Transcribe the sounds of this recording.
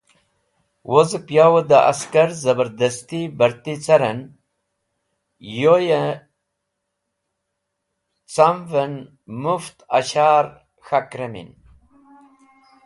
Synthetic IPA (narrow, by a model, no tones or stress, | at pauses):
wʔozɨpjawəd̪aʔa̰skaɾzɐbəɾd̪ɐst̪ibəɾt̪it͡sɐɾən | joje | t͡samvən | muft̪a̰ɕaːɾ | xakɾemḭn